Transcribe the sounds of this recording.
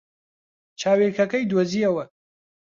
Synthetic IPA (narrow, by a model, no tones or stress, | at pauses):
t͡ʃʰaːweɾkʰɐkɐjd̪oziːɐwɐ